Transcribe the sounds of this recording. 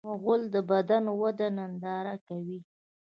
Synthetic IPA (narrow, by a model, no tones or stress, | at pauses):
aɣʊld̪əbad̪anwad̪anand̪ɑɾakawi